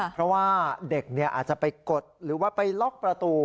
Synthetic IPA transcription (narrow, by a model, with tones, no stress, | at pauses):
pʰɾɔ˦˥waː˥˩de˨˩k̚ni˥˩ɐʔa̰ː˨˩t̪̚t͡ɕa˨˩pa˧jko˨˩t̪̚ɾɯː˩˦waː˥˩pa˧jlɔ˦˥˩k̚pɾa˧t̪uː˧